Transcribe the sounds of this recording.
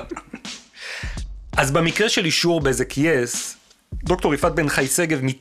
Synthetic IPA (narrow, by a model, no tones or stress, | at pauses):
ʔazbamikʁeʃeliʃuʁbeezekʰijes | d̪o̞kto̞ʁifat̪̚benχajseɡevmi